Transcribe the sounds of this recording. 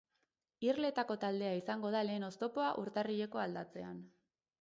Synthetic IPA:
irle̞t̪ako̞t̪ald̪e̞aisaŋɡo̞ð̞ale̞ːno̞st̪o̞po̞aʔuɾt̪ariʎe̞ko̞ald̪at͡se̞an

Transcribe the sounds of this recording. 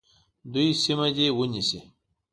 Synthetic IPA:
d̪uisimɐd͡ʑewuɲisi

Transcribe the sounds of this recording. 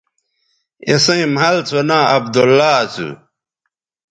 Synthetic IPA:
esẽĩmɦɐlt͡sʰonaːɐbd̪olːaːt͡sʰṵ

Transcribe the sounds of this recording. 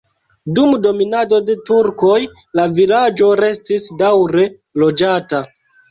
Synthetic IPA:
dumdo̞minado̞de̞tuɾko̞j | lavilad͡ʒo̞ɾe̞stisdawɾe̞ | lo̞d͡ʒata

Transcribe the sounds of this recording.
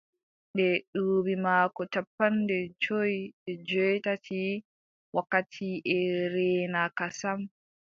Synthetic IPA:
ɗdɛɗubimaːkɔt͡ʃapːandɛd͡ʒojɛd͡ʒɔjtatʰi | wakːatʰiʔɛɾɛːnakasam

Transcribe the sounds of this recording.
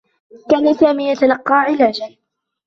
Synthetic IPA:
kaːnasaːmiːjat̪alɑqːɑːʕɪlaːd͡ʒan

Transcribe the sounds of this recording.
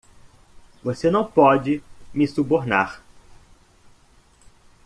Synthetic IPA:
vosenɐ̃w̃pɔd͡ʒɪmɪsuboɾna̰ɾ

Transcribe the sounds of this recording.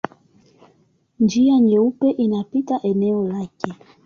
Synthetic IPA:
nd͡ʒiaɲɛupɛʔinapitaʔɛnɛɔlakɛ

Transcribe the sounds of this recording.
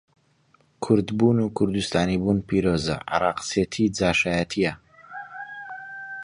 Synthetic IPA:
kʰʊɾd̪buːnukʰʊɾd̪ust̪aːnibunpʰiɾoːzɐ̰ʕa̰ɾˤɑːqset̪ʰid͡zaːʃaːjat̪ʰijɐ

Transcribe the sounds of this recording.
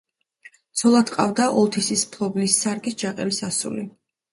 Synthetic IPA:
t̪sʰɔlˠad̪qʼa̰vd̪aʔɔlˠt̪ʰisispʰlˠɔblisːaɾɡisd͡ʒaqʼɛlisasṵli

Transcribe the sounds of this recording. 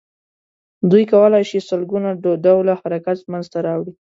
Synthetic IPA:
d̪ujkawəlajʃisəlɡunaɖawlahaɾakat̪manzt̪aɾɑwɽi

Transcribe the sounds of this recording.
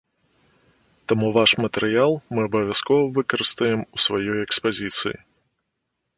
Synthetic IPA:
t̪amuvaʂmɐt̪ɛɾɨjalˠmɨɐbɐvʲaskɔvɐvɨkɐɾɨst̪ɐjɛmusvajɔjɛkspazʲit̪sɨ̰jḭ

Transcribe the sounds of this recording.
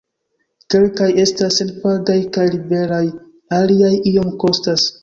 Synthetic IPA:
ke̞lkaje̞stasenpaldajkajlibe̞ɾaj | aliajio̞mko̞stas

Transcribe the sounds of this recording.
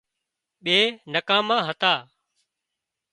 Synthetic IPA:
ɓeːnəkãːmãːɦət̪aː

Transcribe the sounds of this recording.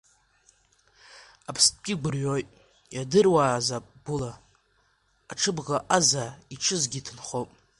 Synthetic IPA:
apʰstʰɡʲɪɡʷʊrɥojtʼ | jadɨrwaːzapʼb̥ula | ʈ͡ʂʰɨbʁaʔazaiʈ͡ʂʰɨzɡʲitʰɨnχopʼ

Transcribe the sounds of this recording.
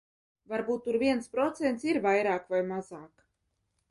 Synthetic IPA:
vaɾbuːt̪ːuɾvʲiɛnspɾɔt̪sent̪siɾvajɾaːkvajmazaːk

